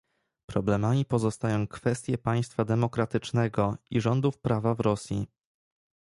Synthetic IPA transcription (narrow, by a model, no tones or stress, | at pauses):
pɾɔblɛmamʲipɔzɔst̪ajɔ̃w̃kfɛst̪ʲjɛpaj̃st̪fad̪ɛmɔkɾat̪ɘt͡ʂnɛɡɔiʐɔnd̪ufpɾavavɾɔsʲji